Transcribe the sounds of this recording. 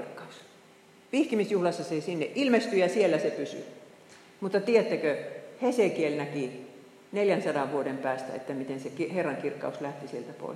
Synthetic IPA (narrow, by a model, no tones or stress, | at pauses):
rkːɑus | ʋihkimisjuhlɑsːɑsesinːeʔʔilmest̪yjɑsielːæsepysy̰ | mut̪ːɑt̪ieæt̪ːækøhesekielnæki | neljænsɑdɑʋʋuodempæːst̪æ̰ḛt̪ːæmit̪ensekiherːɑŋkirkːˑɑ̰uslæht̪isielt̪æpo̰ˑi